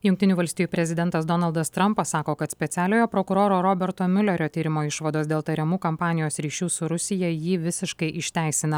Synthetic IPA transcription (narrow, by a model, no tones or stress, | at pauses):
jʊŋkt̪ʲɪnʲuːʋɐlʲsʲt̪ʲijuːpʲɾʲɛzʲɪd̪ʲɛnt̪ɐsd̪ɔnɐlˠd̪ɐst̪ɾɐmpɐsːɑːkoːkɐt̪sʲpʲɛt̪sʲæːlʲoːjoːpɾokʊɾoːɾoːɾobʲɛɾt̪oːmʲʊlʲɛɾʲoːt̪ʲiːɾʲɪmoːɪʃʋɐd̪oːsd̪ʲeːlˠt̪ɐɾʲɛmuːkɐmpɑːnʲɪjoːsɾʲiːʃʲuːsʊɾʊsʲɪjɛjiːʋʲɪsʲɪʃkɐɪʔɪʃʲt̪ʲæˑɪsʲɪnɐ